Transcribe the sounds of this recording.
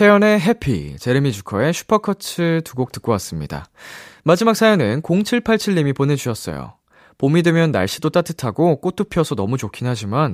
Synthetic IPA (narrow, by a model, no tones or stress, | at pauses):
t͡ɕʰejʌne̞ɦe̞pʰḭt͡ɕe̞ɾɯmid͡ʑukʰʌe̞ɕʰu̥pʰʌkʰʌt͡ɕʰɯtuɡok̚t͈ɯk͈owas͈ɯmɲida̰mad͡ʑimak̚s͈ʰajʌnɯnkoŋt͡ɕʰiɭpʰaɭt͡ɕʰiɭːimipone̞d͡ʑuɕʰʌs͈ʌ̰jo̰ | pomidwemjʌnːa̰ɭɕ͈idot͈atʰɯtʰaɡok͈ot͈ʰɯpʰijʌsʰʌnʌ̰mut͡ɕokʰinɦad͡ʑiman